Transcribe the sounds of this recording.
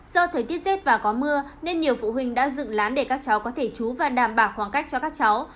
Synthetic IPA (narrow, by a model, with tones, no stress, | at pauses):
z̥ɔ˧t̪ʰəː˨˦jt̪i˦˥ət̚ze˦˥t̚vaː˨˩kɔ˨˦mɨ˧ə | ne˧nɲi˨˩əwfṵ˧˨ɦï˨˩ŋ̟ɗa̰ː˧˥zɨ̰˧˨ŋlaː˨˦nɗe˧˩kaː˦˥k̚t͡ɕa˨˦wkɔ˨˦t̪ʰe˧˩t͡ɕu˨˦vaː˨˩ɗaː˧˩mɓaː˧˩wxwaː˨˦ŋka˦˥jk̚t͡ɕɔ˧kaː˦˥k̚t͡ɕa˨˦w